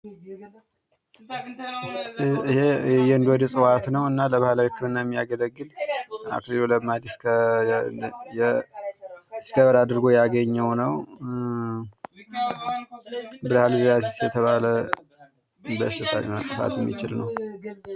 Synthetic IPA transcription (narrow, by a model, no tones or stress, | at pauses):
hejɛɨnd̪wɔd̪əsʼɨwat̪nəwɨnːaləβahlawihɨkʰːɨmɨnːajɛmːijaɡələɡːɨla̰kliloləmad̪skʰə | jɛ | skəβəɾad̪ɨɾɡo̞jaɡəɲːəwnəw | bɨɾhalɨzjasisjɛt̪ʰəβalə | bəʃɪt̪ʰa̰lmasʼɨfa̰t̪jɛmːḭt͡ʃɪlnəw